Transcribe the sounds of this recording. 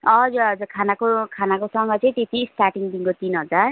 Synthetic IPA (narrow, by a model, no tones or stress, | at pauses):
ʌd͡zuʌd͡zurkʰanakokʰanakosʌŋɡʌt͡sʌĩt̪et̪isʈarʈiŋd̪iŋkot̪inɦʌd͡zar